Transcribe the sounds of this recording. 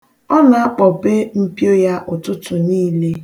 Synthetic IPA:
ɔ˦na˨a˦k͡pɔ˨be˦m̩˦pjo˦ja˦ʔʊ˨tʊ˦tʊ˨niː˦le˦

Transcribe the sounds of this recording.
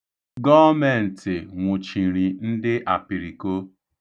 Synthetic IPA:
ɡɔ˦me˨n̩˨tɪ˨ŋʷʊ˨t͡ʃi˨ɾi˨n̩˦dɪ˦ʔa˨pi˨ɾi˨ko˦

